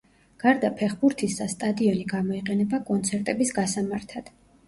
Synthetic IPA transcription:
ɡ̥aɾd̪apʰɛχbuɾt̪ʰisd̪ast̪ʼad̪iɔniɡamɔiqʼɛnɛbakʼɔnt̪sʰɛɾt̪ʼɛbisɡasamaɾt̪ʰad̪̥

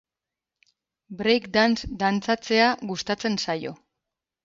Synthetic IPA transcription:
bɾejkd̪ansd̪ant͡sat͡se̞aɣust̪at͡se̞nsajo̞

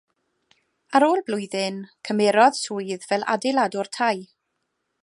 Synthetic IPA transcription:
aɾoːlˠblˠʊɨðɨnkʰəmɛɾɔð̥sʰuːɨðvɛlˠʔa̰dɪlˠadɔrtʰaj

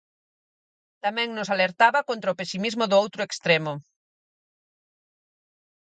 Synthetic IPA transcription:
t̪amɛ̃ŋnʊsaleɾt̪aβɐkont̪ɾaʊpesimizmʊðʊowt̪ɾʊekst̪ɾemʊ

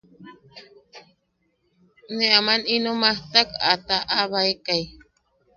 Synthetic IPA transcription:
neamaninomaht̪akat̪aʔaβaekaj

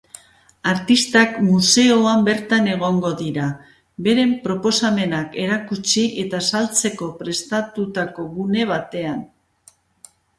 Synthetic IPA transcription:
aɾt̪ist̪akmuse̞o̞ambe̞ɾt̪ane̞ɣ̞o̞ŋɡo̞ðiɾa | be̞ɾe̞mpɾo̞po̞same̞nake̞ɾakut͡ʃiʔe̞t̪asalt͡se̞ko̞pɾe̞st̪at̪ut̪ako̞ɣune̞β̞at̪e̞an

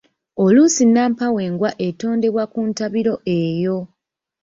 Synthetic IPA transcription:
oluːsinːaːmpawe̞ːŋɡwaʔe̞to̞ːnde̞βwakuntaβiɾo̞ʔe̞ːjo̞

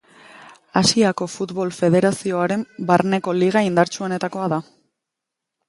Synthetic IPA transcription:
asiako̞fut̪βo̞lfe̞ð̞e̞ɾasio̞aɾe̞mbaɾne̞ko̞liɣ̞aind̪aɾt͡suo̞ne̞t̪ako̞aða

